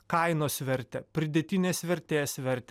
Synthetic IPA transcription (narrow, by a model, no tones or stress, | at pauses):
kɐɪnoːsʲʋʲɛɾʲt̪ʲɛpʲɾʲɪd̪ʲɛt̪ʲɪnʲeːsʲʋʲɛɾʲt̪ʲeːsʋʲɛɾʲt̪ʲɛ